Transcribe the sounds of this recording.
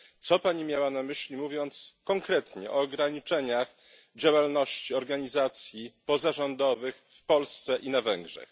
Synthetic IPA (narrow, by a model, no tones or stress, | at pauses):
t̪sɔpaɲimʲjawanamɘɕlʲimuvʲjɔnt̪skɔŋkɾɛt̪ɲɛ̰ʔɔːɡɾaɲit͡ʂɛɲax | d͡ʑawalnɔɕt͡ɕiɔɾɡaɲizat̪sʲjipɔzaʐɔnd̪ɔvɘxfpɔlst̪sɛʔinavɛŋɡʐɛ̰x